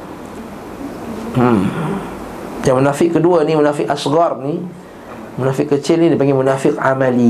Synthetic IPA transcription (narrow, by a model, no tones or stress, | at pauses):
jaŋmənafɪʔkəduanimunafɪʔasɣarni | munafɪʔkːət͡ʃɪlnidipaŋɡɛmunafɪkamãli